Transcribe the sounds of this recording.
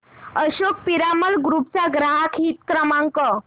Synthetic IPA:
əɕok̚piɾaməlɡɾuːp̚t͡saɡɾaɦakʰɦit̪kɾəmaŋkə

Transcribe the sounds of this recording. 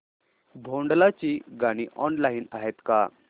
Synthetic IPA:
bʱoɳɖlat͡ɕiːɡaɽ̃iːʔɔnlaiːnaɦet̪ka

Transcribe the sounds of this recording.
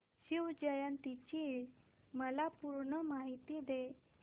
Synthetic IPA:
ɕiwd͡ʑəjant̪it͡ɕi | məlapuɾɳəmaɦit̪id̪e

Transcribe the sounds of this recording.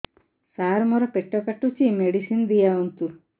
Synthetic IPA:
saːɾmɔɾɔpeʈːɔkaʈːut͡ʃimeɽisind̪ijaunt̪u

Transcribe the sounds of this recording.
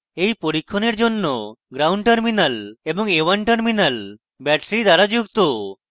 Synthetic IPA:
ejpoɾikʰːɔneɾd͡ʒonːoɡɾawɳɖʈəɾminalebɔŋewanʈəɾminal | bɛʈɾid̪aɾad͡ʒuɡt̪o

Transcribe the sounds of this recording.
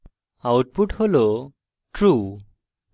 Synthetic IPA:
awʈ̚puʈholo | ʈɾu

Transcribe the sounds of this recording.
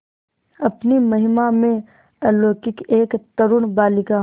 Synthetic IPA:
ɐpnimɐɦɪmamẽ | ɐloːkɪkeːkt̪ɐɾʊnbaːlɪka

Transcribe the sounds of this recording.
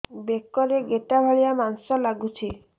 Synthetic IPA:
bekɔɾeɡeʈabʱaɭijamansɔlaɡut͡ʃʰi

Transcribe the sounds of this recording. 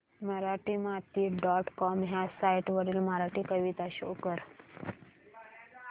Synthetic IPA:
məɾaʈiːmat̪iːɖɔʈkɔmɦjasajʈʋəɾiːlməɾaʈiːkəʋit̪aɕokəɾ

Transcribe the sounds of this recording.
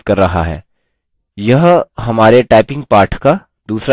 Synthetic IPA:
kɐɾːɐɦa̰ɦɛ̰ː | jɐɦɦɐmaːɾeʈaːɪpɪ̃ŋɡ̚paːɾʈʰka | d̪uːsɾa

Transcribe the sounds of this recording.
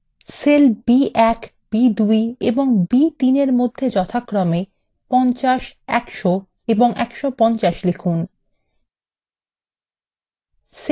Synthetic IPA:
selbiɛk | b̥id̪ujeboŋbit̪ineɾmod̪ʱːed͡ʑɔt̪ʰakɾɔme | pɔnt͡ɕaʃɛ̰kʃo | eboŋʔɛ̰kʃopɔnt͡ɕaʃlekʰun | s

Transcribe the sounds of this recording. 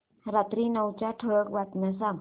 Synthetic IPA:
ɾat̪ɾinawt͡ɕaʈʰək̚bat̪̚mas̬am

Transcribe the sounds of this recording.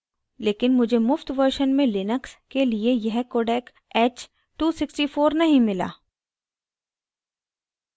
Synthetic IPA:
leːkɪnmʊd͡ʒʱemʊft̪ʋəɾʃənmẽlɪnəkskeliejɐɦkoːɖɛːk | ɛːt͡ʃ | ʈuːsɪksʈifoːɾnɐɦĩmɪla̰ː

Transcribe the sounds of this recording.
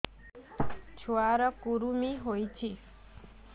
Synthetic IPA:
t͡ʃʰoaɾəkuɾumiɦojt͡ʃʰi

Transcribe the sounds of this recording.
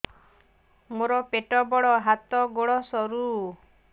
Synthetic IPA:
moɾɔpeʈɔbɔɽɔɦat̪ɔɡoɽɔsɔɾu

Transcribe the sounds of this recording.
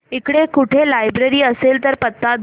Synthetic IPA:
ikɽekuʈʰelajbɾeɾiːəselt̪əɾpət̪ːad̪

